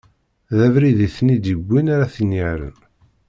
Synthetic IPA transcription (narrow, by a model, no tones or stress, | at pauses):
ðævɾiðiθnid̪ibʷːinaɾaθinːiɾə̰n